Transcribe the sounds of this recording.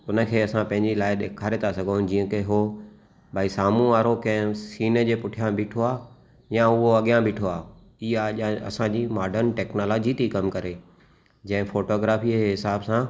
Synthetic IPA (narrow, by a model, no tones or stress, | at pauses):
ʊnə̆kʰeːɐsãpɐ̃ɦɪ̃ɲd͡ʑilaːɪɗeːkʰaːɾet̪ʰasɐɡʱonɪd͡ʑĩːə̃keɦo | baːisaːmũʋaːɾokɐ̃ɦsiːnə̆d͡ʑeːpʊʈʰijãbiːʈʰoaː | jãʊɦoɐɠijãbʱiːʈʰoaː | iaʄãɐ̰sãd͡ʑiːmaːɖəɾnʈɛːknoːloːd͡ʑit̪ikɐmkɐɾe | d͡ʑɐ̃ɦɪ̃foːʈoːɡɾaːfiɦɪsaːbsã